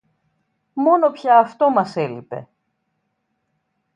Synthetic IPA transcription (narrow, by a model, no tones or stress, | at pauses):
mo̞no̞pçɐːft̪o̞mɐse̞lipe̞̰